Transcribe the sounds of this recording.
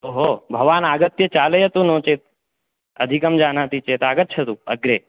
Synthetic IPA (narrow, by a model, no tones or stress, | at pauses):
oːɦoːbʱɐʋaːnaːɡɐt̪jɐt͡ʃaːlɐjɐt̪unõːt͡ʃeːt̪̚ | ɐd̪ʱikɐmd͡ʒaːnãːt̪it͡ʃeːt̪aːɡət̪̚t͡ʃʰɐt̪uɐ̰ɡɾeː